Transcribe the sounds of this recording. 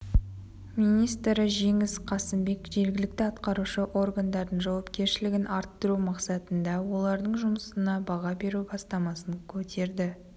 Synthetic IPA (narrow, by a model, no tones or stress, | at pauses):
mijnijst̪ɾəʒe̞ŋɪsqʰɑsəmbe̞kʒe̞ɾɡʲɪlɪk̚t̪ɪɑt̪qɑɾuʃəʔo̞rɡand̪ɑɾd̪ənʒɑwɑpkʲe̞ɾʃɪlɪɡʲɪnʔɑɾt̪ːəɾumɑqsɑt̪ənd̪ɑwo̞lˠɑɾd̪əɴʒʊməsənɑbɑʁɑbe̞ɾubɑst̪ɑmɑsəŋkʲʰɵt̪ʰe̞ɾd̪ɪ